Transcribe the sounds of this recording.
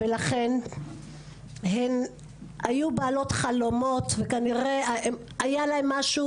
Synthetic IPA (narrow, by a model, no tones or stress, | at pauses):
elaχe̞n | ɦen | ajubaːlo̞t̪χalo̞mo̞t̪vekaniʁeaem | ajalaemːaʃu